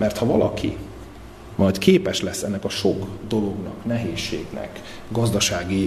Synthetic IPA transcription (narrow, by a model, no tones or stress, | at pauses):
mɛrt̪hɒvɒlɒkʰḭ | mɒjt̪keːpɛʃlɛsːɛnːɛkɒʃo̞ɡd̪o̞lo̞ɡnɒ̰knɛɦeːʃːḛːɡnɛ̰k | ɡɒzd̪ɒʃaːɡi